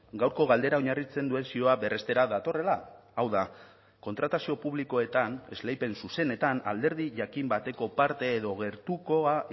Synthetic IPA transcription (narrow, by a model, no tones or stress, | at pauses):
ɡawɾko̞ɣ̞ald̪e̞ɾao̞ɲarit͡se̞nd̪ue̞nsio̞aβe̞re̞st̪e̞ɾaðat̪o̞re̞laawða | ko̞nt̪ɾat̪asio̞puβliko̞e̞t̪ane̞zle̞jpe̞nsuse̞ne̞t̪ana̰ld̪e̞ɾðiʝakimbat̪e̞ko̞paɾt̪e̞ːðo̞ɣe̞ɾt̪uko̞a